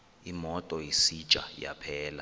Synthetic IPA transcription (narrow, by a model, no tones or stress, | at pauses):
imɔtʼɔjisi̥t͡ʃʼa̰ja̰pʰɛːla